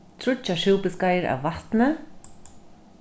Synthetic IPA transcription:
t̪ʰɾʊaʂɪwpɪskajɪɾa̰wːaht̪nɪ

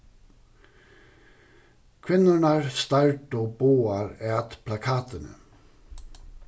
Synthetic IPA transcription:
kʰʋɪnʊnɑɹst̪ɑɹʈoːboːɑɹɛːt̪pʰlɑkʰɑːt̪ənə̰

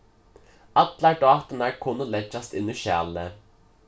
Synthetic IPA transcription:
ɑt̪læɖɑːt̪ənæːɹkʰʊnːəlɛt͡ʃːɑst̪ɪnʉɕæ̰ːlə

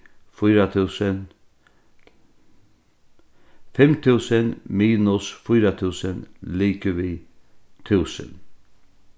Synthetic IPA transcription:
fʊɾat̪ʰuːsən | fɛmt̪ʰʉːsənmiːnʊsfʊjɾat̪ʰʉːsənliːkəʋiːt̪ʰʉːsə̰n

